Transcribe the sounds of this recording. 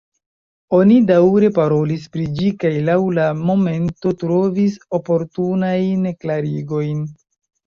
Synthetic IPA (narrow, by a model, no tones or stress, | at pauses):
o̞nidawɾe̞paɾo̞lispɾid͡ʒikajlawlamo̞me̞nto̞tɾo̞viso̞po̞ɾtunajnklaɾiɡo̞jn